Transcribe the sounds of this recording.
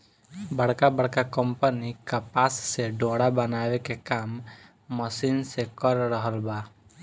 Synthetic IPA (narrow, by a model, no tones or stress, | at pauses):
bəɽkabəɽkakəmpənikapasːeɖoɽabənaʋekekamː | əsinsekəɾɾəɦəlba